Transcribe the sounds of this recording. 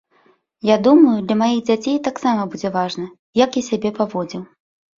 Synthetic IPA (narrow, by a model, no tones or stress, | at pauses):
jad̪umɐjud̪lʲɐmajiɣd͡zʲat͡sʲejt̪aksamɐbud͡zʲɛvaʐnɐ | jakasʲabʲɛpavɔd͡zʲiw